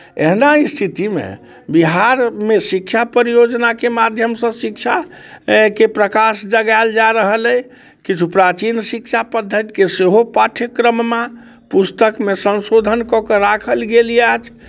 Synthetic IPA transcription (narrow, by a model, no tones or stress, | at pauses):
ḛɦnaist̪ʰit̪imḛ | biɦaɾmesikt͡ʃʰapəɾijod͡ʒnakemad̪ʱjəmsə̃sik̚t͡ʃʰa | kepɾəkasd͡ʒəɡald͡ʒaɾəɦəlɛ | kit͡ʃʰupɾat͡ʃinsikt͡ʃʰapəd̪ʱːət̪i̥keseɦopaʈʰəkːɾəmːa | pust̪əkmesə̃nsod̪ʱənkɔkəɾakʰəlɡeliat͡ʃʰ